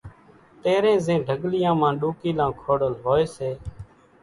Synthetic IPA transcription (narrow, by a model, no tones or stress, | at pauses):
t̪eːɾẽːzẽːɖʱəɡlɪjãːmãːɗuːkiːlãːkʰoːɽəlɦoːeːseː